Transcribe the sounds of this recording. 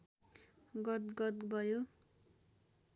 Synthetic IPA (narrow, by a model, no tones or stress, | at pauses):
ɡʌt̪ɡʌt̪bʱʌjo